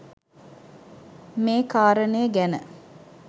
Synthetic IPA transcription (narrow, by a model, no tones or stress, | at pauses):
meːkaːɾənəjəɡænə